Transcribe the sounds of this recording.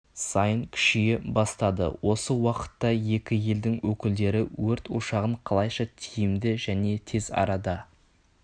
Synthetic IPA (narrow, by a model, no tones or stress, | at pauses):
sɑjəɴkʲʰʏ̥ʃɪjebɑst̪ɑd̪ə̰wo̞səwɑqə̥t̪ːɑje̞kʲɪje̞ld̪ɪŋwɵkʲɪld̪e̞ɾɪwɵɾt̪oʃɑʁəɴqʰɑlˠɑjʃɑt̪ʰijɪmd̪ɪʒæne̞t̪ʰe̞zɑ̰ɾɑd̪ɑ